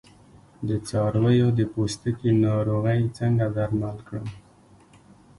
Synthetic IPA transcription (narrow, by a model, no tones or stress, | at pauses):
d̪ət͡sɑɾwəjod̪əpost̪əkinɑɾoɣəjt͡səŋɡad̪aɾmalkɽəm